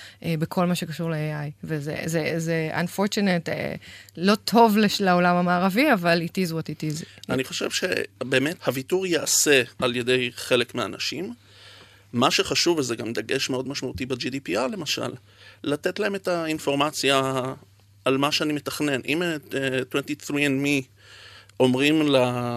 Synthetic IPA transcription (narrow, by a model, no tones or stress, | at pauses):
ʔebekʰo̞lmaʃe̞kaʃuʁleeajvezḛzezeʔa̰nfoʁt͡ʃunetḛlo̞tʰo̞vleʃlaolamamaːʁaviavalitizuatitizaniχo̞ʃḛvʃḛbe̞ːmethavituʁjease̞alje̞de̞jχe̞lekmea̰na̰ʃim | maʃe̞χaʃuvezeɡamd̪aɡeʃmeo̞dmaʃmautibed͡ʒidipiale̞maʃa̰lː | atetlae̞metainfo̞ʁmat͡sjaː | lmaʃeanime̞tḁχne̞nʔḭmetwentiθɾienmi | o̞mʁimla